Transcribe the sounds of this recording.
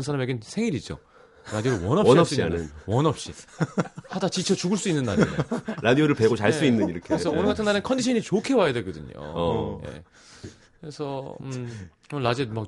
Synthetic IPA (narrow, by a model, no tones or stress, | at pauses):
nsʰaɾameɡensʰe̞ŋiɾid͡ʑo̰ | ɾadioɾɯwʌnʌɕiass͈uinɯwʌnʌp̚ɕ͈i | hadat͡ɕit͡ɕʰʌt͡ɕuɡɯɭs͈uinːɯnːaɾḛḛɾadioɾɯɭpe̞ɡot͡ɕaɭs͈uinːɯniɾʌkʰeesʰʌonɯɡatʰɯnːaɾenɯnkʰʌndiɕʰʌnit͡ɕokʰe̞wajadweɡʌdɯɲo̰je̞̰ | kɯɾe̞sʰʌ̰ | knːlad͡ʑemak